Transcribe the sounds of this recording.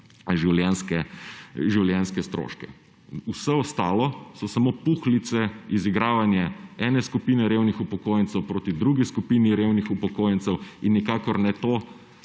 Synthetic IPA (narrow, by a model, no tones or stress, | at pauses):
ʒiwljɛnskɛʒiwljɛnskɛst̪ɾo̰ːʃkɛ̰ | usɛɔst̪aːlɔsɔsamopuxlit̪sɛiziɡɾaːʋanjɛɛnɛskupiːnɛɾewnixupɔkoːjɛnt̪sɛwpɾoːt̪id̪ɾuɡiskupiːniɾewnixupɔkoːjɛnt̪sɛwinːikakɔɾnɛt̪oː